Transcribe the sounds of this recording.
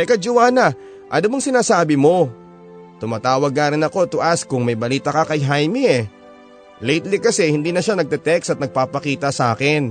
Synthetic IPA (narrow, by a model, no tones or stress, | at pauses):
ɛkɐd͡ʒʊwaːnɐ | ʔɐd̪ʊmɐŋsɪnaːsaːbɪmo̞ | t̪ʊmaːt̪aːwɐɡ̚ŋaːɾɪnɐko̞t̪ʊʔaskʊŋmɐjbɐliːt̪ɐkɐkɐjɦajmiɛ | lɛjt̪likɐsɛhɪnd̪iːnɐʃanɐɡ̚t̪ɛt̪ɛksɐt̪̚nɐɡ̚paːpɐkiːt̪ɐsɐʔaːkɪn